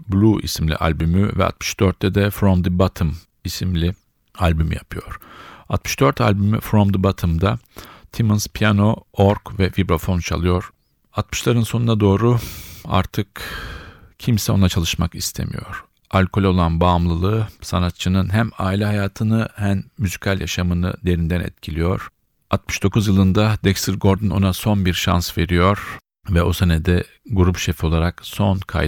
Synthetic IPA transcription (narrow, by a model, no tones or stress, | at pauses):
blʲuʔḭsimlʲḭʔa̰lʲbymyvɛ̰a̰t̪mɯ̥ʃd̪̥øɾt̪ːʰɛd̪ɛfɾomd̪ɯbat̪ʰɯm | isimlʲi | alʲbymijapʰɯjo̞ɾ̥at̪mɯ̥ʃd̪øɾt̪ʰa̰lʲbymy̰fɾomd̪ɯbat̪ʰɯmd̪at̪ʰimɯnzpʰijano̞oɾkvɛvibɾo̞fo̞nt͡ʃʰa̰lˠɯjo̞ɾ̥ | at̪mɯ̥ʃlˠaɾɯnsonunad̪o̞ːɾua̰ɾt̪ʰɯk | cʰimsɛo̞̰nˠat͡ʃʰalˠɯʃmakist̪ʰe̞̰mḭjo̞̰ɾ̥ | alʲkʰo̞lʲo̞lˠanbaːmlˠɯlˠɯsanat̪̚t͡ʃʰɯnɯnɦæma̰ːilʲɛɦajaːt̪ʰɯnɯhæmːyzicʰalʲjʔa̰ʃamɯnɯ̰d̪e̞ɾind̪ænɛ̰t̪cʰilʲijo̞ɾ̥ | at̪̚mɯ̥ʃd̪̥o̞kʰuzjɯlˠɯnd̪ad̪ɛcst̪ʰiɾɡo̞ɾd̪ɯnʔo̞̰naso̞nbiɾʃa̰nsve̞ɾijo̞ɾ̥ | vɛosenɛd̪ɛ | ɡuɾupʃefo̞lˠaɾakso̞nkʰa̰j